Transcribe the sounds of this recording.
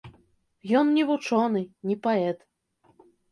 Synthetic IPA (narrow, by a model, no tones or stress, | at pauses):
jɔnnʲɛvut͡ʂɔnɨnʲipaɛt̪